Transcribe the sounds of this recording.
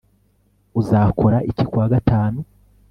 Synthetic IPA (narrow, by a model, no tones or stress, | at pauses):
uzaːkʰo̞ɾaʔicikwaːɡataːnu